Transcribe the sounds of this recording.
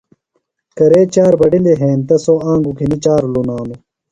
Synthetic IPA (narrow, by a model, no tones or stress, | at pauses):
kɐɾeːt͡ɕaːɾbɐɖileɦeːnt̪ɐsoãːŋɡukʰinit͡ɕaːɾlonaːnu